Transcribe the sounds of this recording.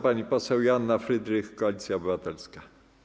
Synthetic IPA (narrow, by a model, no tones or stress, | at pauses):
paɲipɔsɛwjanːafɾɘd̪ɾɘxkːɔalʲit̪sʲjaɔbɘvat̪ɛlska